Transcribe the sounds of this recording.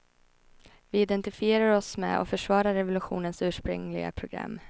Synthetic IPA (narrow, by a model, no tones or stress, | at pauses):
vɪɪd̪ɛnt̪ɪfɪeːɾaɾɔsmɛ̰ɔ̰fœʂvɑːɾaɾːɛvʊlɵɧṵːnənsʉ̟ːʂpɾɵ̰ŋlɪɡa̰pʰɾʊɡɾa̰mː